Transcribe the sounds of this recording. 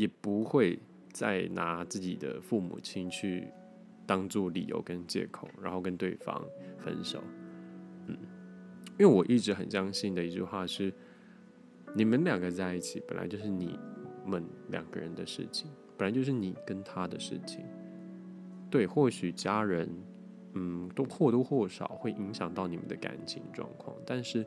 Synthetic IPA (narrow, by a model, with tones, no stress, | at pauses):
jɛ˨˩pu˧˥xwe˥˧ɪ | t͡sa̰˥˩ɪna˧˥t͡sɹ̩˥˩t͡ɕḭ˨˩d̪ə̰˦fu˥˩mṵ˨˩t͡ɕʰi˥nt͡ɕʰy˥˩ | t̪ɑ˥ŋt͡swɔ˥˩lḭ˨˩jo̰˧˥ʊkə˦nt͡ɕjɛ̰˥˩kʰo˨˩ʊɻa̰˨˧˥nxo˥˩ʊkə˦nt̪we˥˩ɪfɑ̰˥ŋfə̰˦nʂo̰˨˩˦ʊ | n̩˥˩i˥nwe˥˩wɔ˨˩ʔi˥˩ʈ͡ʂɻ̩˧˥xə˨˩nɕjɑ˥ŋɕi˥˩nd̪ə˩i˧˥t͡ɕy̰˥˧xwa˥˧ʂɻ̩˥˩ | ni˨˩mə˧˦nljɑ˨˩ŋɡə˦t͡sa˥˧ɪi˥˩t͡ɕʰi˨˩pə˨nʔa̰˧ɪt͡ɕjo˥˧ʊʂɻ̩˥˩nḭ˨˩˦mə˧˦nljɑ̰˨˩ŋɡ̥ə̰˦ɻə̰˧˦nd̪ə˧ʂɻ̩̰˥˩t͡ɕʰi˨˩ŋpə˨˩la˧˥ɪt͡ɕjʊʂɻ̩˥˨ni˨˩kə˥nt̪ʰa˥d̪ə˨ʂɻ̩̰˥˩t͡ɕʰḭ˨˩ŋ | t̪we˥˩ɪxwɔ˥˩ɕy˨˩t͡ɕja˥ɻə˧˦˥n | n̩˥˩t̪o˥ʊxwɔ˥˩t̪u˥˧xwɔ˥˩ʂɑ̰˨˩ʊxwe˥˩ɪʔi˧˥ŋɕjɑ˨˩ŋt̪ɑ˥˩ʊni˨˩mə̰˦nd̪ə̰˧ka̰˨˩nt͡ɕʰi˧˥ŋʈ͡ʂwɑ̰˥˧ŋkʰwɑ̰˥˩ŋt̪a˥˧nʂɻ̩˥˩